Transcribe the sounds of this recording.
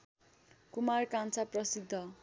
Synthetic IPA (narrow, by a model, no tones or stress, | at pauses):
kumarkant͡saprʌsid̪ʱːʌ